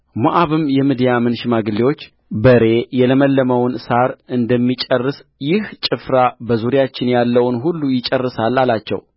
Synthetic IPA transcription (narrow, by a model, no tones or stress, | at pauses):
muʔaβɨmjɛmɨd̪jamɨnʃɪmaɡɨlːiwo̞t͡ʃː | bəɾe̞jɛləməlːəməwnsaɾɨnd̪əmːit͡ʃʼərːɨsjɪht͡ʃʼɨfɾabəzuɾjat͡ʃːɪnjalːəwnɦulːujɪt͡ʃʼərːɨsalːalat͡ʃːɛ̰w